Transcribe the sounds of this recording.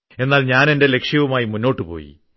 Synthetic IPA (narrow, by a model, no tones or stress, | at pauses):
e̞nːaːlɲaːne̞nde̞le̞kʂjɐʋumaːjimunːo̞ːʈːɨpo̞̰ːjḭ